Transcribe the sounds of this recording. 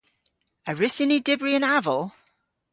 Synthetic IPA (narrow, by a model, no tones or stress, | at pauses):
əɹɪsɪnidɪbɹiə̃navəlˠ